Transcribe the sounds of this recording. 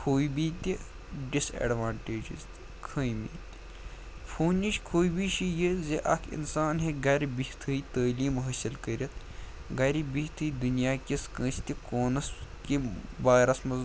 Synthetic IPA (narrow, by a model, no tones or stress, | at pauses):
kʰoːjbiːt̪ʲi | ɖisḛːɖʋaːɳʈeːd͡ʒḭzt̪ | kʰəːjmḭːt̪ | pʰoːnʲit͡ʃʰkʰoːjbiʃijizeʔɐ̰kʰḭnsaːnɦeɡɐɾʲbit̪ʰɨit̪əːliːmɦɐsɐlkɐɾʲit̪ʰ | ɡɐɾibiht̪ʰɨid̪unjaːkʲiskə̃ːt͡ʃʰt̪ʲikoːnɐskiʋaːɾɐsmɐ